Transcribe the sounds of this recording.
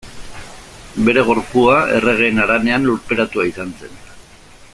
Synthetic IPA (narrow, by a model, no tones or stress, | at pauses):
be̞ɾe̞ɣ̞o̞ɾpuae̞̰re̞ɣ̞e̞ːnaɾane̞anluɾpe̞ɾat̪uaisanse̞n